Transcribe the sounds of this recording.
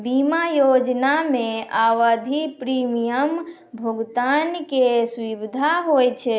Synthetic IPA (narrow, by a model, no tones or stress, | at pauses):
bimajod͡ʒnameaʋəd̪ʱipɾimijəm | bʱuɡt̪ankesʋibd̪ʱaɦojt͡ʃʰɛ